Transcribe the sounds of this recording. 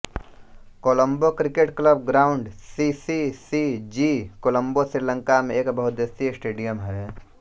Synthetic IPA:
koːləmbokɾɪkeʈkləbɡɾaːʊɳɖsisisid͡ʒikoːlə̃mbosɾɪɾlə̃ŋkamẽeːkbəɦʊt̪̚d̪est̪iɪsʈeːɖijəmɦɛ

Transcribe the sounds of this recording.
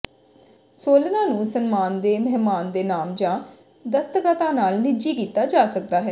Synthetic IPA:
soːlnãːnũːsənmaːnd̪eːməɦɪmaːnd̪eːnaːmd͡ʒãː | d̪əst̪əkət̪ãːnaːlnɪd͡ʒiːkiːt̪aːd͡ʒaːsək̚d̪aːɦɛː

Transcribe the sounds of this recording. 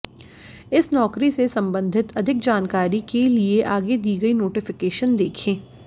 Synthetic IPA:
ɪsnɔːkɾisesɐ̃mbə̃nd̪ʱɪt̪ɐd̪ʱɪk̚d͡ʒaːnkaːɾikelieʔaːɡed̪iːɡɐinoːʈɪfɪkeːʃənd̪eːkʰẽː

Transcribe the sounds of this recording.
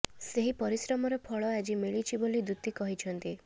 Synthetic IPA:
seɦipɔɾisɾɔmɔɾɔpʰɔɭɔad͡ʒimiɭit͡ʃʰibolid̪ut̪ikɔɦit͡ʃʰɔnt̪i

